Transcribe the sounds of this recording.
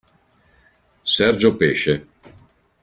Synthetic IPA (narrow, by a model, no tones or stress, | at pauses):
sɛrd͡ʒopeːʃe